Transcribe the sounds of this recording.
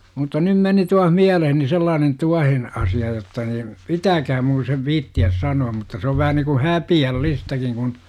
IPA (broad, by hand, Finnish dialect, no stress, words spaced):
mutːɑ nym meni tuɑh miæleheni selːɑːnen tuɑhen ɑsiɑ jotːɑ niːm pitæːkhæm mun seʋ ʋiːtːiæs sɑnuɑm mutːɑ se oʋ ʋæhæ niŋku hæpiælːistækiŋ kun